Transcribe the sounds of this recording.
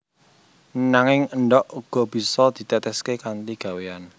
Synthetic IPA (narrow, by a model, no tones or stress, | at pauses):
naŋɪŋənɖɔʔuɡ̥ɔ̤b̥i̤sɔd̪̥i̤t̪ɛt̪ɛskekant̪iɡ̥ä̤wean